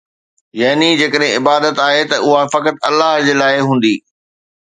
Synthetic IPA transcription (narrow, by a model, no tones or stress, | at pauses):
jaːnid͡ʑeːkəɗɦẽɪbaːd̪ət̪aːɦet̪ɐʔʊɦafɐkət̪ɐlːaɦd͡ʑeːlaːɪɦũːn̆d̪iː